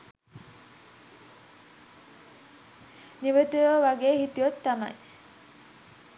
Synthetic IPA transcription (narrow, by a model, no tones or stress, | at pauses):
niʋət̪ujəʋaɡeːhit̪ijot̪ːama̰j